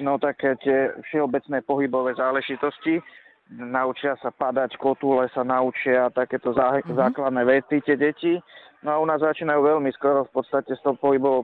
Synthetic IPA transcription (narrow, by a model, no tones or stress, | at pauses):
nɔt̪akt̪ɪɛfʃɛɔbɛt͡snɛːpɔɦibɔʋɛːzaːlɛʒit̪ɔsci | naut͡ʃɪasapad̪ackɔt̪ulɛsanaut͡ʃɪaat̪akɛːt̪ɔzaːklad̪nɛːʋɛt̪it̪ɛɟɛci | nɔaunaːzzat͡ʃiːnajuːʋɛʎmiskɔɾɔfpɔt̪st̪acɛst̪ɔpɔɦibɔʋɔ